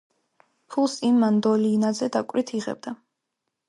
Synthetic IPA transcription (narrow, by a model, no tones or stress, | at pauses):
pʰulˠsimːand̪ɔlinazɛd̪akʼɾit̪ʰiʁɛ̰b̚d̪a